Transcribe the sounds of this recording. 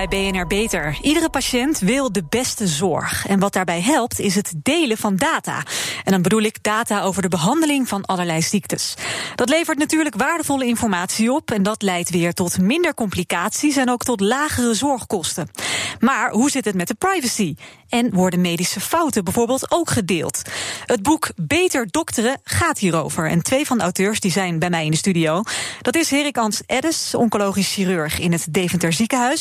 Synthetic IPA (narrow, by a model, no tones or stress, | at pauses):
ɛjbejɛnɛɹbejtəɹidərəpaʃɛntʋɪlˠdəbɛstəzɔ̰ɹχɛnʋɑt̚d̥aːɹbɛjɦɛlˠptɪs̬ɦətdejləvɑndaːta̰ːɛndɑnbədulɪɡdaːtaːowvəɹdəbəɦɑndəlɪŋvɑnɑləɹlɛjsiktəsd̥ɑtlejvəɹtnatyːɹləkʋaːɹdəvɔləɪnfɔɹmaːtsiɔpɛndɑtlɛjtʋɪːɹtɔtmɪndəɹkɔmplikaːtsisɛnowktɔtlaːχərəzɔɹχkɔstənmaːɹɦuzɪtɦətmɛt̚dəpɹajvəsiɛnʋɔɹdəmejdisəfɑwtəbɛjvʊːɹbɪːlˠtowkχədɪ̰ːlˠtəd̚bukbejtəɹdɔktərəχaːtɦiːɾowvəɹɛ̰ntʋejvɑndəɑwtøːɹsdizɛjnbɛjmɛjɪndəstydijowd̥ɑtɪsɦɪːrɪkɑnsʔɛdəsɔ̰ŋkolowχisxirøɹχɪnətdejvəntəɹzikəɦœs